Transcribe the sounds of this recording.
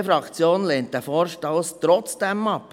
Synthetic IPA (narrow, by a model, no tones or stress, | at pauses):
fɾɑkt͡sjoːnleːntdɛfɔːɾʃtɔwst̪ɾɔt͡sd̥ɛmɑp